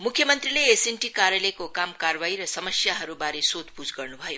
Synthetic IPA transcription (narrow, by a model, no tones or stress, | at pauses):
mukʰːjʌmʌnt̪ɾileːsenʈikaɾjalekokamkarwaiɾʌsʌmʌsjaɦʌɾubaɾesod̪pud͡zɡʌrnubʱʌjo